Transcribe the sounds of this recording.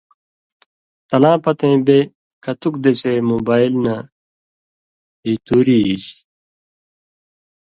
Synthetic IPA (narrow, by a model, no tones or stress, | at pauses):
t̪ɐlãːpɐt̪ẽːbe | kɐt̪ukd̪esemobaːilna | it̪uːɾiːs